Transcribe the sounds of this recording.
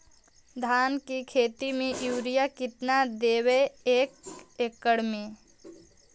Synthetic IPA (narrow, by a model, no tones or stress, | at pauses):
d̪ʱaːnkikʰeːt̪imẽʔjuːɾijakɪt̪nad̪eːweeːkeːkːəɽmẽ